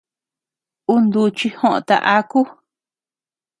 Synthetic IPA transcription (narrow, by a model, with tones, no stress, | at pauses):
u˦nd̪u˧t͡ʃi˧hõ˦ʔõ̰˧t̪a̰˧ʔa˦ku˦